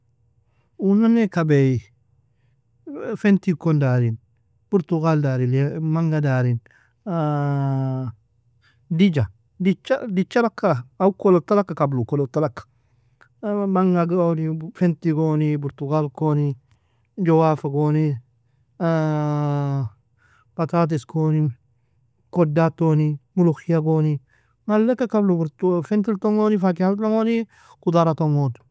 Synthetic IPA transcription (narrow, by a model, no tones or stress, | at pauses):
unanekabeji | fentikondaɾin | b̥uɾtuɡaldaɾilemaŋɡadaɾin | did͡ʒa | dit͡ʃadit͡ʃalakːaaukolotalakːakablukolotalakːḁ | maŋɡaɡonifentiɡonibuɾtuɡalkoni | d͡ʒowafaɡoni | patat̬iskoːni | kodatonimuloxijaɡoni | ŋalːekːakablubuɾtufentiltoŋonifak̬ialoŋoni | kudaɾatoŋod